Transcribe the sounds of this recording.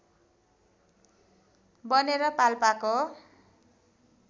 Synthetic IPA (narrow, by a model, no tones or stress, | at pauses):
bʌneɾʌpalpako